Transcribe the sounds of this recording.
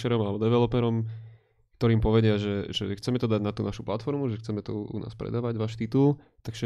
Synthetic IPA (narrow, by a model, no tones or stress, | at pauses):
ʃɛɾɔmalɛbɔd̪ɛʋɛlɔpɛɾɔm | kt̪ɔɾiːmpɔʋɛɟɪaʒɛʒɛxt͡sɛmɛt̪ɔd̪aɟnat̪uːnaʃu̥plat̪fɔɾmuʒɛxt͡sɛmɛt̪ɔṵnʔa̰ːspɾɛ̰d̪aːʋaɟʋaːʃt̪it̪ul | t̪aɡʒɛ